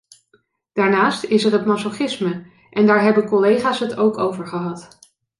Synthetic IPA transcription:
d̥aːɹnaːstɪsərɦətmɑsoχɪsmə | ʔɛndaːɹɦɛbəkɔlejχaːsɦətowkowvəɹχəɦɑt

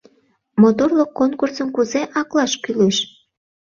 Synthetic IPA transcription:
mot̪orlokːonkursəmkuzeʔɑklɑʃkyleʃ

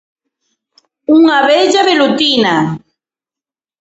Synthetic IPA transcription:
uŋaβeʎaβelut̪ina

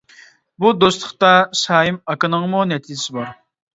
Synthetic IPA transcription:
bud̪ost̪ʰəχt̪ɑʃɑːjimɑkɨnəŋmunɛt̪ʰid͡ʒɪsɪbɑɾ

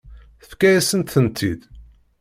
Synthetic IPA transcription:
θə̥fkæjæsənt̪θənt̪ʰid̪

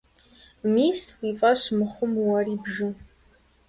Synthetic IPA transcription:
miːswifʼaʃmɨχʷʊmwaribʒɨ

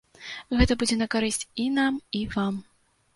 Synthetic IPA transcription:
ɣɛt̪ɐbud͡zʲɛnɐkaɾɨsʲt͡sʲinamivam

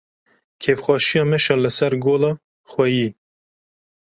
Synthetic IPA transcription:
kʰeːfxʷɑːʃijɑːmɛʃɑːləsɛɾɡoːlɑː | xwɛjiː

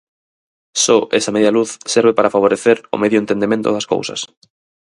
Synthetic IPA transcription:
soʔesameðjaluθseɾβepaɾafaβ̞oɾeθeɾo̰meðjoẽnt̪end̪emẽnt̪o̰ðasko̰wsɐ̰s

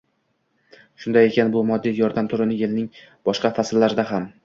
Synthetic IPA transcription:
ʃʊnd̪aje̞kʲʰanbʊmɒd̪ːijɒɾd̪amt̪ʰʊɾɪnɪjelnɪŋ | b̥ɒʃqɑfaslːaɾɪd̪aɦam

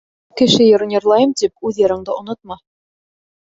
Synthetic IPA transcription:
kɘ̆ʃɘjɤ̆ɾɤ̆njɤ̆ɾlˠɑjɤmt̪ip̚ʉðjɤ̆ɾɤ̆ɴd̪ɤŏnot̪̚mɑ

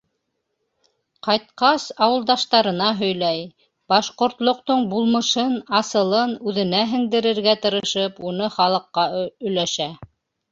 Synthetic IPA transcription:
qɑjt̪̚qɑsɑwɤ̆lˠd̪ɑʃt̪ɑɾɤ̆nɑɦɵ̆jlæj | bɑʃqŏɾt̪lˠŏq̚t̪oɴbulˠmɤ̆ʃɤnɑsɤ̆lˠɤnʉðɘ̆næɦɘ̆ŋd̪ɘ̆ɾɘ̆ɾɡæt̪ɤ̆ɾɤ̆ʃɤpunɤχɑlˠɤ̆qːɑɵ̆jlæʃæ

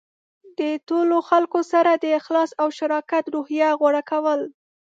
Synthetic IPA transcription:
d̪ətoloxalkosaɾad̪əɪxlɑsawʃaɾɑkat̪ɾohjaɣwaɽakawəl

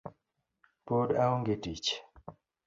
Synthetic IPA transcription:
podaoŋɡetit͡ʃ

